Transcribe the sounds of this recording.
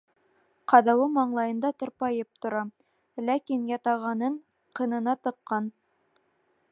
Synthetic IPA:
qɑðɑwɤmɑɴlˠɑjɤ̆nd̪ɑt̪ŏɾpɑjɤp̚t̪ŏɾɑ | lækinjɑt̪ɑʁɑnɤɴ | qɤ̆nɤ̆nɑt̪ɤ̆qːɑn

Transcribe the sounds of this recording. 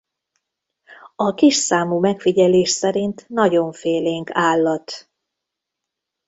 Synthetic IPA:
ɒkiʃsaːmuːmɛkfiɟɛleːʃsɛɾint̪nɒɟo̞ɱfeːleːŋkaːlːɒt̪

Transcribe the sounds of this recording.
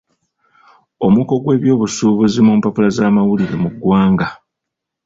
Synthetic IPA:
o̞muko̞ɡwe̞ːβjo̞ːβusuːβuzimuːmpapulazaːmawuliɾe̞muɡwaːŋɡa

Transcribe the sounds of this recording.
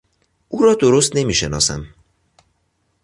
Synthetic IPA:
ʔuːɾɒːd̪oɾost̪ne̞miːʃenɒ̰ːsæ̰m

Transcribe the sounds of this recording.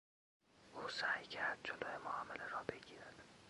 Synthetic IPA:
ʔuːsæːjcʰæɾd̪̚d͡ʒoloːjemoɒːmeleɾɒːbe̞ɡiːɾæd̪̥

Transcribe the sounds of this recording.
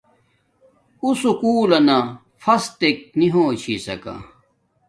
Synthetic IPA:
usukuːlɐnɐ | fɐst̪ek̚niɦoːt͡ɕʰisɐ̰kɐ̰

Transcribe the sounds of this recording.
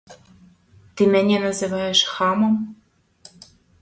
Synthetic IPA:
t̪imɘ̆nʲenɑ̆zɨ̆vɑjeʃxɑmɤ̆m

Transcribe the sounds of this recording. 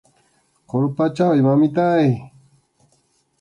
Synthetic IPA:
qoɾpat͡ʃawimamɪt̪aj

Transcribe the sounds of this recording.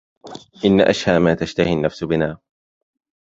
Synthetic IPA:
ʔɪnːaʔaʃhaːmaːt̪aʃt̪ahinːafsʊbɪnaː

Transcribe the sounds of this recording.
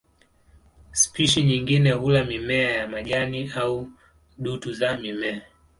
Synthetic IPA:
spiʃiɲiŋɡinɛɦulamimɛajamaɠaniau | ɗutuzamimɛa

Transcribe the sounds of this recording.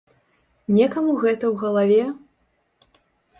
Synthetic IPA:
nʲɛkamuɣɛt̪ɐwɣɐlˠavʲɛ

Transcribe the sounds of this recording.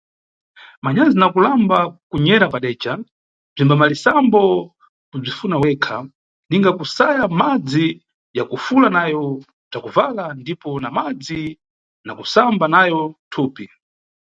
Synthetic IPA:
maɲazinakulambakuɲɛɾapaɗɛt͡ʃa | b͡ʐimbamalisambɔ | kub͡ʐifunawɛkʰa | niŋɡakusajamad͡zi | jakufulanajɔ | b͡ʐakuvalandipɔnamad͡zi | nakusambanajɔtʰuːpi

